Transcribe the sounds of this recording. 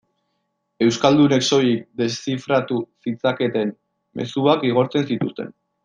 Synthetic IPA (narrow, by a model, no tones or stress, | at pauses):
e̞wskald̪une̞kso̞jik̚d̪e̞sifɾat̪usit͡sake̞t̪e̞m | me̞̰suakiɣ̞o̞ɾt͡se̞nsit̪ust̪e̞̰n